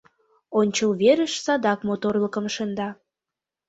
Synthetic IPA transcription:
onʲt͡ɕəlβeɾə̆ʃsɑd̪ɑkmot̪orləkə̆mʃənd̪ɑ

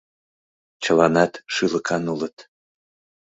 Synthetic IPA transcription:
t͡ɕəlɑnɑt̪ʃɯlə̆kʰɑnulɤt̪

